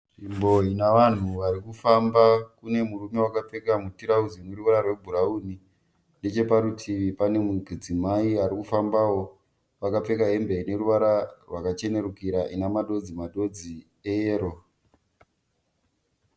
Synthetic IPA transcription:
ʐimbo̞inaʋan̤uʋaɾikufambakune̞murume̞wakap͡fe̞kamutiɾaud͡zinweruʋaɾarwe̞bʱuɾauni | nde̞t͡ʃe̞paɾutʰiʋipane̞muɡʱid͡zimaiaɾikufambawo̞ | ʋakap͡fe̞kaɦe̞mbeine̞ɾuʋaɾarwakat͡ʃe̞ne̞ɾukiɾaʔinamaɗo̞d͡zimaɗo̞d͡zi | eeːɾo

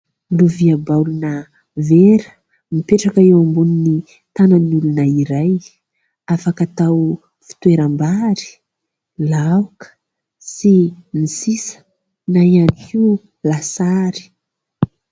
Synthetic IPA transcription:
luviabawlunə | veɾə̥ | mipeʈ͡ʂakaewambunini | t̪ananulunəiɾaj | afakat̪aw | fi̥t̪weɾambaɾi̥ | lawkə̥ | simisisə̥ | naianiki | lasaɾi̥

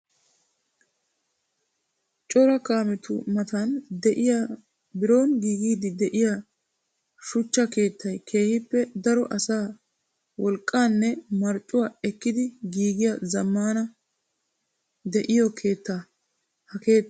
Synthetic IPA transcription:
t͡ʃʼɔɾɐkaːmɪt̪ʊ̰mɐt̪ɐnd̪ɛʔɪja | bɪɾo̞ːnɡiːɡiːd̪ɪd̪ɛʔɪja | ʃʊt͡ʃːɐke̞ːt̪ːɐjkʰe̞ːhɪpːɛd̪ɐɾɔʔɐsaː | wɔlkʼːaːnːɛmɐɾt͡ʃʼːʊwaːɛkːɪd̪ɪɡiːɡɪjɐzɐmːaːnɐ | d̪ɛʔɪjɔkʰe̞ːt̪ːa | hɐke̞ːt̪ː

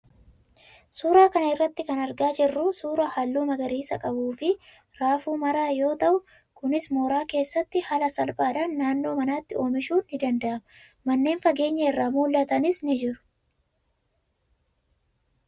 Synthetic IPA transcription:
suːɾaːkɐnɐɪrːɐt̪ːɪkɐnɐɾɡaːd͡ʒɪrːusuːɾɐhɐlːuːmɐɡɐɾiːsɐkʼɐbuːfɪ | ɾaːfuːmɐɾaːjo̞ːt̪ɐʔʊ | kʊnɪsmo̞ːɾaːke̞ːsːɐt̪ːɪhɐlɐsɐlpʼaːd̪ɐnːaːnːo̞ːmɐnaːt̪ːɪo̞ːmɪʃuːnːɪd̪ɐnd̪ɐʔɐmɐ | mɐnːe̞ːnfɐɡe̞ːɲːɐɪrːaːmuːlːɐt̪ɐnɪsnɪd͡ʒɪɾʊ̥

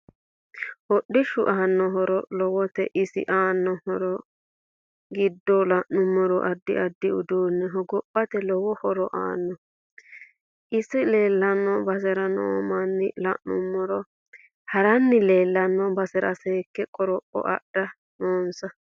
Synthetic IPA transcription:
hɔɗːɪʃʊʔaːnːɔɦɔɾɔlɔwɔt̪ɛ̰ʔɪsɪ̰ʔaːnːɔhɔɾɔ | ɡɪd̪ːɔlɐʔːʊmːɔɾɔʔɐd̪ːɪ̰ʔɐd̪ːɪʊ̰d̪uːnːɛɦɔɡɔpːɐt̪ɛlɔwɔhɔɾɔʔa̰ːnːɔ | ʔɪsɪle̞ːlːɐnːɔbɐsɛɾɐno̰ːmanːɪlɐ̰ʔnʊ̰mːɔɾɔ | hɐɾɐnːɪleːlːɐnːɔbɐsɛɾɐ̰seːkːɛkʼɔɾɔpːɔ̰ʔɐ̰ɗɐ | noːnsɐ

